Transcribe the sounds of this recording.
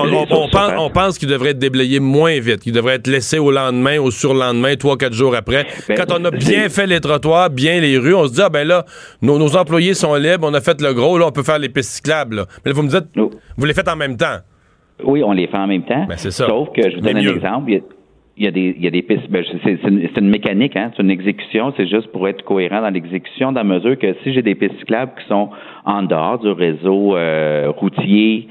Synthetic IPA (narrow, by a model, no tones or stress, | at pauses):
ɔ̃ɑ̃sɔ̃pɑ̃skild̪əvʁɛt̪̚d̪eblɛjemwɛ̃vɪt̪̚kʲild̪əvʁɛːt̪lɛseolɑ̃d̪mɛ̃osyʁlɑ̃d̪mɛ̃t̪χwauk̬at̪ʒuːʁapʁɛɛkɑ̃t̪ɔ̃nʌbjɛ̃fɛlet̪ʁɔt̪waːʁbjɛ̃leʁyɔ̃səd͡ziabɛ̃lʌ | nonozɑ̃plwajesɔ̃lɪbɔ̃nəfɛt̪ləɡʁolʌɔ̃pøfɛːʁlepɪsti̥klablʌmɛlʌvumd͡zit̪vulefɛt̪ɑ̃mɛ̃mt̪ã | wiɔ̃lefɛɑ̃mɛ̃mt̪ãbɛ̰ssesʌsɔʊfkəʒəvud̪ɔnɛ̃nɛɡzɑ̃plj | jad̪ejad̪epɪsbɛ̃ʒsesenset̪ynmekanɪkɛ̃set̪ynɛɡzekʲy̥sjɔ̃sɛʒʏst̪̚puʁɛɪt̪χə̥kɔeʁɑ̃d̪ɑ̃lɛɡzekʲy̥sjɔ̃d̪ãməzyːʁkəsiʒed̪epɪssi̥klabkʲi̥sɔ̃ | ɑ̃d̪əɔːʁd̪yʁezoøʁutt͡sje